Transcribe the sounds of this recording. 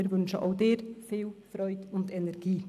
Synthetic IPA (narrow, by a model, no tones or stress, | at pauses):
ɪɾvʏnʃəʔaʊdeːɾfiːlfɾœʏdʊndɛnɛɾɡ̥iː